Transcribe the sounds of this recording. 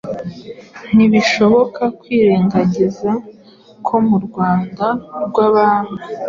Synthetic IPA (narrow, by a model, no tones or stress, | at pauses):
n̥iβiʃo̞βo̞kʰakwiːɾe̞ːŋɡaɟeza | kʰo̞muɾɡwaːndaɾɡwaβaːnu